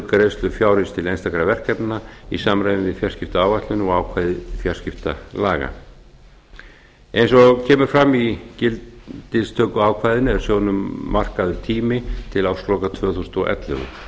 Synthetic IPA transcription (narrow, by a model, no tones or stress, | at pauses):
kaɾejst̪lʏfjaːwɾɪnst̪ʰɪlejnst̪akɾavɛr̥kɛpnaisaːmɾajvɪnvɪðfjar̥scɪft̪aaːwvaht̪lʏnɔaːwkʰvaːjðɪfjar̥scɪft̪alaːɣa̰ | ejnsɔcʰɛːmʏɾ̥fɾamːicɪlt̪ɪst̪ʰœːkʏaːwkʰvaːjðɪnɛɾ̥sjoːwnʏmːar̥kaðʏɾ̥t̪ʰiːmɪt̪ʰɪlaːwslɔːkat̪ʰvœːθusʏnt̪ɔʔɛ̰t̪lœ̰ɣʏ̰